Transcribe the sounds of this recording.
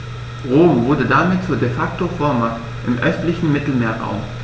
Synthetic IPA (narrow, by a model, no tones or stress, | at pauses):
ʁoːmvʊɐdədamɪtt͡suːɐdefak̚tofɔɐmakt | ʔɪmʔœstlɪçn̩mɪtl̩meːɐʁa̰ʊm